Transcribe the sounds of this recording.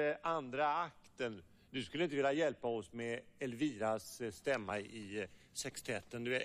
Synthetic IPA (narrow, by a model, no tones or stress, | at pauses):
ʔand̪ɾaakt̪ən | d̪ɵskɵlːɪnt̪əɪːljajɛlpaɔsmɛɛlviːɾasst̪ɛmːa̰ɪsɛkst̪ʰɛːt̪ːənd̪ɵveː